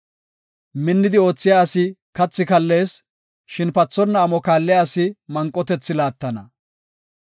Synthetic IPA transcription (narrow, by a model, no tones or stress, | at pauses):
mɪnːɪd̪ɪo̞ːt͡sːɪjaːɐsɪkɐt͡sːɪkɐlːe̞ːs | ʃɪnpɐt͡sːɔnːɐːmɔkaːlːɪjaːɐsɪmɐŋkʼːɔt̪ɛt͡sːɪlaːt̪ːɐnɐ